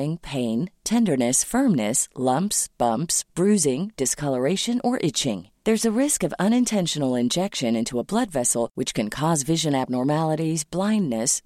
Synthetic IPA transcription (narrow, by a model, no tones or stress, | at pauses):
ɪ̃ŋpʰẽɪ̃ntʰɛ̃ndə˞nɨsfɜ̃˞mnɨslʌ̃mpsb̥ʌ̃mpsb̥ɹʉzɪ̃ŋd̥ɨskʰʌlˠə˞eɪʃɨ̃nʔə˞ʔɪt͡ʃɪ̰̃ŋðə˞zɨɹɪskʌvʌ̃ñɨ̃ntʰɛ̃nʃɨnl̩ˠɪ̃nd͡ʒɛkʃɨ̃nɪ̃ntʰuəblʌdvɛsl̩ˠwɨt͡ʃkɨ̃nkʰɔzvɪʒɨ̃næb̚nɔɹmælˠəɾizblãɪ̃nːɨs